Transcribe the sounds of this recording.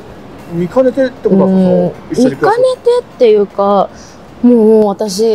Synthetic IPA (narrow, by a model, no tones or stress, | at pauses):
mʲikanet̪et̪ːekoɯ̃mikane̞t̪e̞t̪ːe̞jɯ̟ka | moːβat̪aɕ̬i